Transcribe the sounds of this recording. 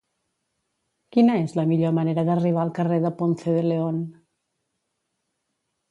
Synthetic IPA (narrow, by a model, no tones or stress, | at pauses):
kinəezləmiʎoməneɾəðəriβ̞alˠkəreðəponθeðəleon